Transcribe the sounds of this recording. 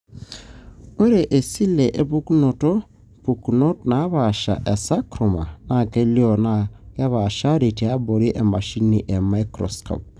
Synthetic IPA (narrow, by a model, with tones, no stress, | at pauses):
o˦ɾe˨ʔe˨si˦le˨ʔe˨pu˦kno˨to˦ | pu˨kno˦tna˨˦βa˨ʃa̰˨ʔɛ˨sa˦kɾo˨ma˨na˨ke˦ljo˦˨na˨ke˦βa˨ʃa˦ɾi˨te˨a˦bo˨ɾi˦ʔe˨ma˨ʃi˦ni˨ʔe˨ma˦i˦kɾɔ̰˨sko̰˨p̚